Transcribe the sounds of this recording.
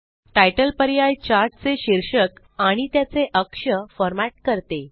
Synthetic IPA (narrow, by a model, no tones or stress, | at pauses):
ʈajʈəlpəɾjajt͡ɕaʈ̚t͡seɕiɾʂək | aɽ̃it̪jat͡seʔəkʂəfɔɾmaʈ̚kəɾt̪e